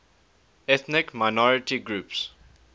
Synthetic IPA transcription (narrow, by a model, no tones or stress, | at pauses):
ɛt̪nɪkmaɪnɔɹɪtiɡɹuːps